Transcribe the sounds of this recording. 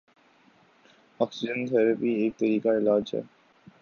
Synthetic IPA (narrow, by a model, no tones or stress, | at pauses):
ɔksid͡ʒent̪ʰɛɾapiek̚t̪əɾikaelad͡ʒɛ̰